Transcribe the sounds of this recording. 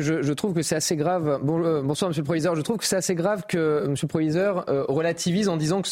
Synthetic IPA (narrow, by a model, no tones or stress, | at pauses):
ʒəʒət̪χuvkəsɛt̪aseɡʁavbɔ̃ubɔ̃swaʁməs̬jøləpχɔvizœʁʒət̪χuvkə̥sɛt̪aseɡʁavkəməsjøləpχɔvizœʁøʁəlat̪ʰivizɑ̃d̪izɑ̃kə